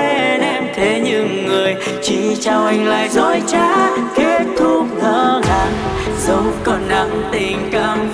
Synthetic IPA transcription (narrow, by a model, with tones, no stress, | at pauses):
ɗɛ˧mt̪ʰe˨˦ɲɨ˧˨ŋːɨ˨˩əj | t͡ɕi˧˩t͡ɕa˧wʔa˧jŋ̟la̰ː˧˨jzɔ˧˩jt͡ɕaː˧˦kie˦˥ət̚t̪ʰu˦k̚nəː˧˦ɣa˧˩n | zə˨˦ŋ͡mkɔ˨˩nɗa˧˥ŋt̪i˨˩ŋ̟ka˧˩m